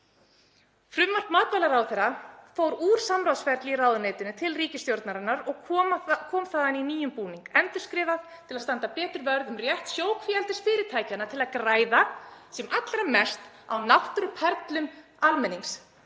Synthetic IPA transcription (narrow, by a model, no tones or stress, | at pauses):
fɾʏmːar̥tmaːt̪valaɾawθɛɾafoːwɾuːɾ̥samɾawsfɛɾt̪liraːwðʏneːjt̪ʏnʏt̪ʰɪlriːcɪst̪jowɾt̪naɾanːaɾɔɣkʰɔːmakʰɔːmθaːðaniniːjʏmpuːniŋkɛnt̪ʏ̥skɾɪːvaðt̪ʰɪlaðst̪ant̪ap̪ɛːt̪ʏɾvœɾðʏmrjɛht̪sjoːwkʰviɛlt̪ɪst̪fɪːɾɪɾ̥t̪ʰaːjcanːat̪ʰɪlaðkɾaːjðasɛmʔat̪lɾamɛst̪ | a̰wnaht̪ɾʏpʰɛɾt̪lʏm | almɛnːiŋs